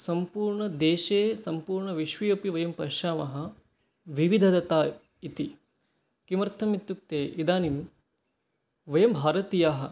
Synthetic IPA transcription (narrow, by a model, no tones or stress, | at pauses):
sɐmpuːɾɳɐd̪eːʃeːsɐmpuːɾɳɐʋiʃʋɐjɐpiʋɐjɐmpɐʃaːmɐɦɐ̆ | ʋiʋid̪ʱɐd̪ɐt̪aː | it̪i | kimɐɾt̪ʰɐmit̪juk̚t̪eːʔid̪aːnim | ʋɐjɐmbʱaːɾɐt̪ijaːɦɐ̆